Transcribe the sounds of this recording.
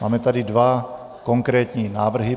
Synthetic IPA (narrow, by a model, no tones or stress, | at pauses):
ma̰ːmɛt̪ad̪id̪ʋa | kɔŋkɾɛːt̪ɲiːnaːʋr̩ɦi